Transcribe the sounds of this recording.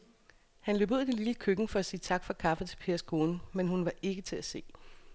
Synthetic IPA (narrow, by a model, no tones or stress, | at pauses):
hænlø̰buð̰ˠd̥eliləkʰøɡ̥ŋ̩fɒ̽æsiːt͡sʰɑ̈ɡ̥fɒ̽kʰɑ̈fət͡sʰe̝lpʰe̝ːɐsɡ̥ʰo̝ːnmenhunʋɑ̈ʔe̝ɡ̥ət͡sʰe̝læse̝̰ː